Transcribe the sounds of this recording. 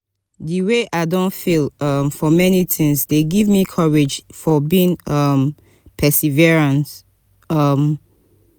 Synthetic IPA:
ðiweʔaɪdõntfilʌmfɔmɛnitʰɪ̃ŋsdeɡivmikʰʌɹed͡ʒfɔbiĩŋʌm | pʰɛsiviɹãnt | ʌm

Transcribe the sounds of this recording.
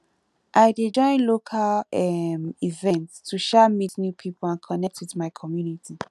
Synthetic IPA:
ʔaɪded͡ʒɔ̃ɪ̃nlokʰalɛmivɛ̃ntstʰuʃɛmitnupʰipʰɔlãnkʰɔnɛk̚tʰwiðmaɪkʰɔmjunitʰi

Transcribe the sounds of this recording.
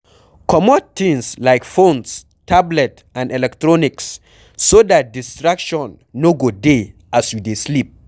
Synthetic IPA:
kʰɔmɔd̚t̪ĩŋslaɪkfõns | tʰablɛt | ãndɛlɛk̚tɹɔniksː | odat̚distɹakʃɔ̃nːoɡode | asjudeslip̚

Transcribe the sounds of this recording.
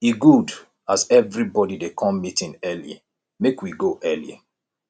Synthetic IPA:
iɡud | azɛvɹibɔdidekʰɔ̃mːitĩŋɛlḭ | mekwiɡoʔɛlḭ

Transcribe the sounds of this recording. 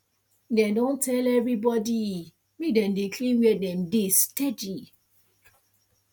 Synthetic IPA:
dɛ̃dõntʰɛlɛvɹibɔdi | widɛ̃ndekʰlĩnwɛdɛ̃mdested͡ʒi

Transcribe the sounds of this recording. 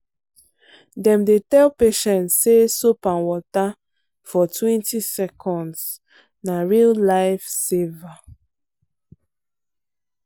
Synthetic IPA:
dɛ̃mdetɛlpeʃɛ̃ntsːesopãnwɔta | fɔtʰwɛ̃ntisɛkʰɔ̃nds | naɹillaɪfsiva

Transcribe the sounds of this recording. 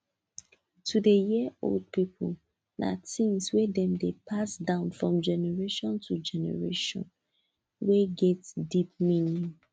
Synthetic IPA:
tʰudejiəo̰ld̚pipʰul | nʔa̰tĩŋswedɛ̃mdepʰasdãʊ̃nfɹɔ̃md͡ʒɛnɛɹeʃɔ̃ntʰud͡ʒɛnɛ̰ɹeʃɔ̰̃n | weɡɛtdip̚mĩnĩ

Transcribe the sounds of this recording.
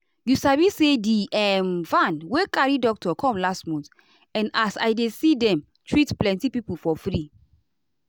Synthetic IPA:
jusavisediʔɛmvãnwekaɹidɔk̚tɔkʰɔ̃mlastmɔ̃nt | ɛ̃nasa̰jdesidɛ̃m | tʰɹitplɛ̃ntipipufɔfɹi

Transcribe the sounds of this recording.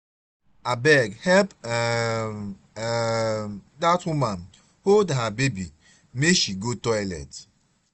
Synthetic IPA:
abɛɡhɛlp | datwuman | holdɦabebi | meʃiɡotɔjlɛ̰t

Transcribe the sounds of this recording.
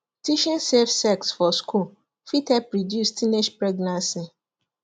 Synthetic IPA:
tiʃĩnsefsɛksfɔskul | fitɛpɹɔdjustineʃpɹeɡnãnsi

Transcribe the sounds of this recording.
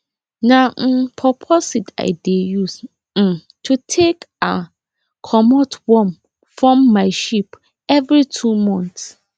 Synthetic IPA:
napʰɹɔpʰɔsita̰ɪdejus̩ | tʰutʰeka | kʰɔmɔtwɔm | fɹɔ̃mːaɪʃip | ɛvɹitʰumɔ̃nts

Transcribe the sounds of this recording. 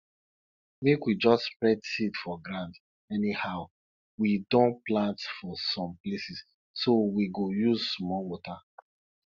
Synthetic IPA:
mekwid͡ʒɔstspɹɛdsitfɔɡɾãnd | ɛnihaʊ | widõnplãntfɔsɔ̃mplesis | sowiɡojuzsmɔwɔta

